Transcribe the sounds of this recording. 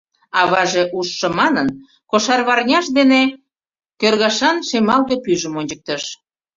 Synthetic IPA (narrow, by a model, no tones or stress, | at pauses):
ɑβɑʒeʔuʃːəmɑnən | koʃɑrβɑrnʲɑʃd̪ene | kørɣɑʃɑnʃemɑld̪epyʒəmonʲt͡ɕək̚t̪əʃ